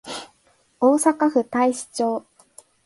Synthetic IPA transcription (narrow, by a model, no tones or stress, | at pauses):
oːsakaɸɯ̟t̪aiɕi̥t͡ɕo̞ː